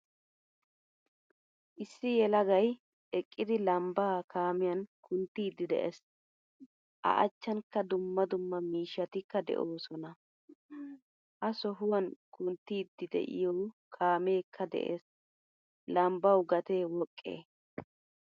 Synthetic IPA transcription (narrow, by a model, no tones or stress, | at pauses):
ʔɪsːɪjɛlɐɡɐj | ɛkʼːɪd̪ɪlɐmbaːkaːmɪjɐnkʰʊnt̪ːiːd̪ːɪd̪ɛ̰ʔḛs | ʔɐ̰ʔɐ̰t͡ʃːɐnkːɐd̪ʊmːɐd̪ʊmːɐmiːʃːɐt̪ɪkːɐd̪ɛ̰ʔoːsɔnɐ | ʔɐsɔɦʊwɐnkʊnt̪ːiːd̪ːɪd̪ɛ̰ʔɪ̰jɔkʰaːme̞ːkʰːɐd̪ɛ̰ʔḛːs | lɐmbɐwɡɐt̪eːwɔkʼːḛː